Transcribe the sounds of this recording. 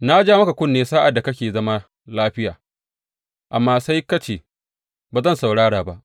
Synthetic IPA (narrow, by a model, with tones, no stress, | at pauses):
na˦d͡ʒaː˦mɐ˦ka˨kʷʊ˦nːeː˦saː˦ʔa˨da˨kɐ˦kʲeː˨zɐ˦ma˦ | laː˦ɸɪ˦jaː˨ | ʔa˨mːaː˦sa˦jkɐ˦t͡ʃeː˨ | baː˨zɐ˦˨nsa˨wɽaː˦ɽaː˨ba˦ʔ